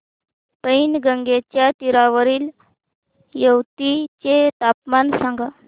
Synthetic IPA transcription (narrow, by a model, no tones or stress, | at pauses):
p̪əinɡəŋɡet͡ɕjat̪iɾaʋəɾiːl | jəwt̪it͡ɕet̪apmansãŋɡa